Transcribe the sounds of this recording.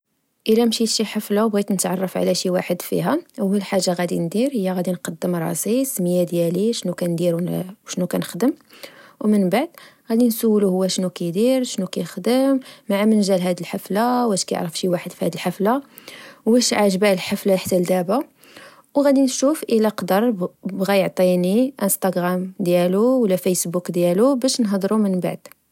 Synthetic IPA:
ʔəlæmʃit̪ʃiħəflabɣit̪nət̪ʕɑ̰rˤːɑfʕ̰læʃiwaħəd̪fḭɦæwhælħaʒːaɣæd̪ind̪iɾhəjːæɣæd̪inqɑd̪ːəmɾˤɑ̰sisməjæd̪jæliʃnukænd̪iɾwwʃnukænəxd̪əmwmənbaʕd̪ɣæd̪insəwːluhʊwːæʃnukæjd̪iɾʃnukæjəxd̪əmːaʕamənʒælɦæd̪əlħaflawæʃkæjə̰ʕɾəfʃiwaħəd̪fihæd̪əlħafla | wbæʃʕaʒbælħaflaħt̪ːæld̪æba | wɣæd̪inʃufʔəlæqd̪əɾˤbɣæjəʕt̪ˤiniʔəst̪ɑɡɾamd̪jæluwlːæfæjsbukd̪jælubæʃnɦd̪ɾumənba̰ʕd̪̥

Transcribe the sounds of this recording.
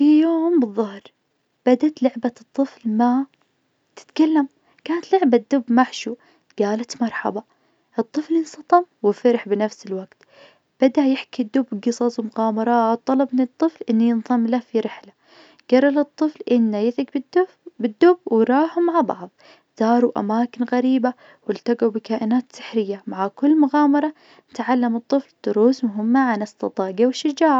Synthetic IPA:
fijoːmbɨðˤːɑhɾ | b̥ad̪at̪lʊʕbat̪ˤːɨflma | t̪ɪ̥t̪kalːam | kaːnat̪lɪʕbad̪ːʊbmaʕʃuː | ɡ̥aːlat̪mɑɾˤħɑ̰bɑ | ʔɨt̪ˤːɨflɪnsˤɑt̪ˤɑmwɪfɪɾħbɪnafsɪlwaɡt̪ | b̥ad̪aʔjɪħkid̪ːʊbːɡɨsˤɑsˤwmʊqɑːmɑɾˤɑːt̪ˤːɑlɑb̚mɪnɨt̪ˤːɨflʔɪnːajɨnðˤɨmːlafiɾɪħla | ɡ̥ɑrˤːɑlɨt̪ˤːɨflʔɪnːajɪθɪɡb | bɪd̪ːʊb̚wɾˤɑːħʊmːaʕbɑ̰ʕðˤ | z̥ɑːɾˤuʔa̰maːkɪnɣaɾiːba | wɪlt̪aɡawbɪkaːʔɪnaːt̪sɪ̥ħɾɪjːamaʕakʊlːmʊɣɑːmɑɾˤɑ | nɪt̪ʕalːamɨt̪ˤːɨfld̪̥ʊɾuːsmʊɦʊmːaʕanɪst̪ɑt̪ˤɑːɡawɪʃːɪd͡ʒaːʕ

